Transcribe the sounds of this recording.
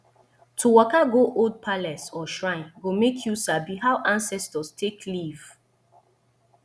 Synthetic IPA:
tʰuwɔkaɡoʔod̚pʰalɛsɔʃɹãɪ̃nɡomekʰjusabihaʊʔãnsɛstɔstʰekʰliv̥

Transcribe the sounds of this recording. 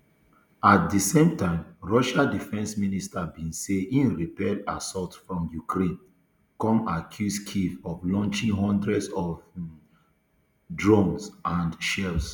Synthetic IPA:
at̚disẽmtãɪ̃mɹɔʃadifɛ̃nsministʰabĩnseĩnɹipɛda̰sɔltfɹɔ̃mjukʰɹẽn | kɔ̃makʰjuskʰivɔvlɔ̃nt͡ʃĩŋɦɔ̃ndɹɛdsɔv | dɹɔ̃ŋsãnʃɛls

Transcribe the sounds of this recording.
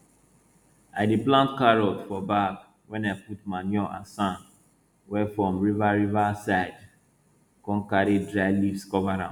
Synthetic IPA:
aɪdiplãntkaɹɔtfɔbak | wɛ̃naɪputmanɔ̃ʔa̰sãn | wɛfɹɔ̃mɹivaɹivasaɪd | kɔ̃nkaɾedɹaɪlifskɔvaɾã̰m

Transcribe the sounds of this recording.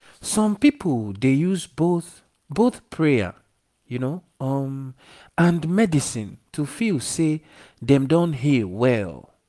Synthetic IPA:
sɔ̃mpipʰoldejuzboθ | boθpʰɹea̰ | juno | ʌm | ãndmɛdisĩntʰufilse | dɛ̃mdõnɦiwɛl

